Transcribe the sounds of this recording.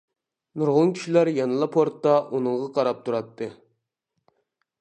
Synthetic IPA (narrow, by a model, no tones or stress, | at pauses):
nuɾʁʊnkʲʰy̥ʃilæɾjɑnɨlˠɑpʰoɾt̪ːɑʔunɨɴʁɑqʰɑɾɑp̚t̪ʰuɾɑt̪ʰːɨ